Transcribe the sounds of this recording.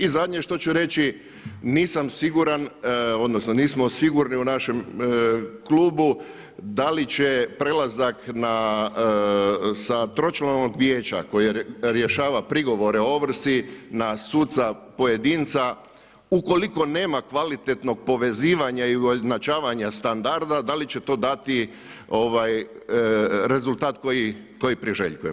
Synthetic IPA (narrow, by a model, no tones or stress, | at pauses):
izad̪ɲe̞ʃt̪o̞t͡ʃuɾe̞t͡ʃi | niːsamsiɡuɾano̞d̪nosnoniːsmosiɡuɾniunaʃe̞m | kluːbu | d̪alit͡ʃe̞pɾe̞lazakna | sat̪ɾo̞t͡ʃlano̞ɡʋje̞ːt͡ʃa̰ko̞jiɾjeʃaːʋapɾiɡo̞ʋo̞ɾe̞o̞ʋr̩sinasuːt̪sapo̞je̞d̪iːnt̪sa | uko̞liko̞ne̞ːmakʋalit̪et̪no̞ɡ̥̚po̞ʋe̞ziːʋaɲaiuoznat͡ʃaːʋaɲast̪and̪aɾd̪ad̪alit͡ɕe̞t̪o̞ːd̪at̪i | o̞ʋaj | ɾe̞zult̪aːt̪koji | ko̞jipɾiʒe̞̰ʎkujem